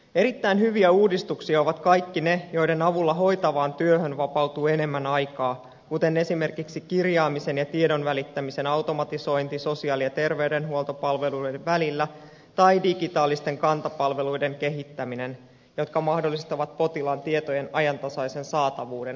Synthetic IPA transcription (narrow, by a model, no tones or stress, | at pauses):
e̞ɾit̪ːæinɦyʋiæuːdist̪uksiɑo̞ʋɑt̪kɑjkːine̞jo̞jde̞nɑʋulːɑɦo̞jt̪ɑʋɑːnt̪yøɦønʋɑpɑwt̪uːe̞ne̞mːænɑjkɑː | kut̪e̞ne̞sime̞rkiksikirjɑːmise̞njɑt̪iedo̞nʋælit̪ːæmise̞nɑwt̪o̞mɑt̪iso̞int̪iso̞siɑːliɑt̪e̞rʋe̞wde̞nɦuo̞lt̪opɑlʋe̞lujdeʋælilːæ | t̪ɑjdiɡit̪ɑːlːist̪e̞ŋkɑnt̪ɑpɑlʋe̞lujde̞ŋke̞ɦit̪ːæmine̞n | jo̞t̪kɑmɑhdolːist̪ɑʋɑt̪̚po̞t̪ilɑnt̪iet̪o̞je̞nɑjɑnt̪ɑsɑise̞nsɑːt̪ɑʋuːde̞n